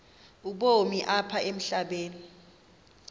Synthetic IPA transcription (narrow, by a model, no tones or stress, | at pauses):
uɓomiʔapʰaem̩ɬaɓeːni